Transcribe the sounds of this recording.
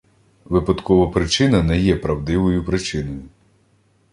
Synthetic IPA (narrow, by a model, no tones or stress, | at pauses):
ʋɪpɐd̪kɔʋɐpɾɪt͡ʃɪnɐnɛjɛpɾɐwd̪ɪʋɔjʊpɾɪt͡ʃɪnɔjʊ